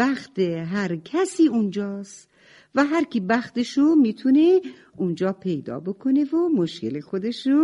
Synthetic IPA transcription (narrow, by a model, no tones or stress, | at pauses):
bæxt̪ʰeɦæɾkʰæsiːund͡ʒɒːst̪ | væɦæɾcʰibæxt̪eʃomiːt̪ʰune | und͡ʒɒːpʰe̞jd̪ɒ̰ːbo̞kʰonevomoʃcḛle̞xod̪e̞ʃo